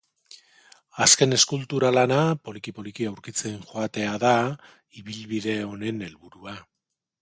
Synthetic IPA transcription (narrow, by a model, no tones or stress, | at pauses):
aske̞ne̞skult̪uɾalanapo̞likipo̞likiawɾkit͡senʝoat̪e̞aða | iβilβiðe̞o̞ne̞ne̞lβuɾua